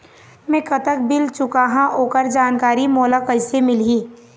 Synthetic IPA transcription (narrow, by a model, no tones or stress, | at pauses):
mɛ̃kət̪ək̚bɪlt͡ʃʊkaːɦãʔoːkəɾd͡ʒaːnkaːɾimɔːlakəɪsemɪlɦiː